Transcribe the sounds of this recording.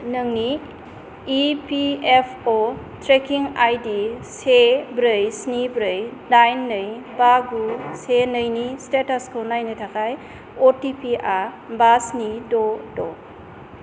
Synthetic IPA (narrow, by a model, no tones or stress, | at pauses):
nəŋniː | piepʰo | tɾekiŋajdisebɾɯjsnibɾɯjnajnːɯjbaɡusenəjnistetaskʰɯnajnɯtʰakʰaj | otipiʔa | basnidodo